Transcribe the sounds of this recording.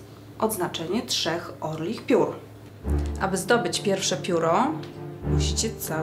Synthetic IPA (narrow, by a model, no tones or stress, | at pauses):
ʔɔd̪znat͡ʂɛɲɛtʂɛxɔɾlʲixpʲjuɾ | ʔabɘzd̪ɔbɘt͡ɕpʲjɛɾfʂɛpʲjuɾɔ | muɕit͡ɕɛt̪sa